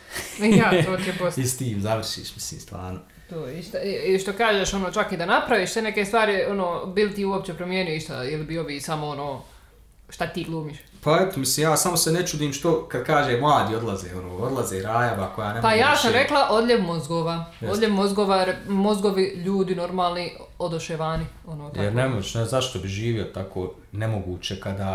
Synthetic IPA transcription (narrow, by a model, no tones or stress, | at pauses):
jat̪oːt̪iebosist̪iːmzaʋr̩ʃḭːʃmi̥slḭːmst̪ʋa̰ːɾno | t̪oːeist̪aiʃt̪o̞kaːʒeʃo̞noːt͡ʃakid̪anapɾaʋiːʃsene̞kest̪ʋaːɾo̞noːbilit̪iːuop̚t͡ɕe̞pɾomjeːnujoiʃt̪a̰jelibioʋiːsamoonoː | ʃt̪at̪iːɡlˠuːmiʃ | paɛt̪omisliːmjaːsamosenet͡ʃud̪iːmʃt̪o̞kad̪̚kaːʒeːmlˠaːd̪iːo̞d̪lˠazḛːonoːod̪lˠazeɾaːjaʋakojaːnepajaːsamɾe̞klˠaʔo̞d̪ʎʲeʋmozɡoːʋaːod̪ʎʲeʋmo̞zɡoʋaɾmo̞zɡoʋiʎuːd̪ino̞ɾmaːlˠniod̪oʃeʋaːnio̞noːt̪jaɛɾnemot͡ʃnezaʃt̪o̞biʒiːʋiot̪akʰo̰ː | nemo̞ɡuːt͡ɕekad̪a